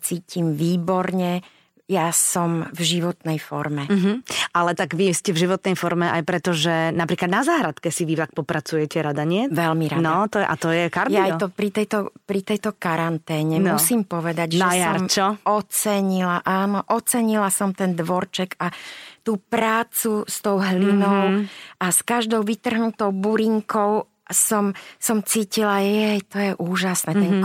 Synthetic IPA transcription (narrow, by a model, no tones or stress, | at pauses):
t͡siːcimʋiːbɔɾɲɛ | jasɔmvʒiʋɔt̪nɛjfɔ̰ɾmɛm̩ɦ̩ʔalɛt̪aɡʋiscɛvʒiʋɔt̪nɛjfɔɾmɛʔajpɾɛt̪ɔʒɛnapɾiːklad̪nazaːɦɾat̪kɛsiʋiʋak̚pɔpɾat͡sujɛcɛɾad̪aɲɪɛʋɛlmiɾanɔt̪ɔjɛʔa̰t̪ɔjɛkaɾdj̪ajt̪ɔpɾit̪ɛjt̪ɔpɾit̪ɛjt̪ɔkaɾant̪ɛːɲɛmnusiːmpɔʋɛd̪aɟʒɛsjaɾmt͡ʃɔɔt͡sɛɲilaʔaːnɔʔɔt͡sɛɲilasɔmt̪ɛnd̪ʋɔɾt͡ʃɛkat̪uːpɾaːt͡sust̪ɔʊɦlinɔʊʔaskaʒd̪ɔʊʋit̪r̩ɦnut̪ɔʊbuɾiŋkɔʊ | sɔmsɔmt͡siːcilajɛjt̪ɔjɛʔuːʒasnɛːt̪ɛŋ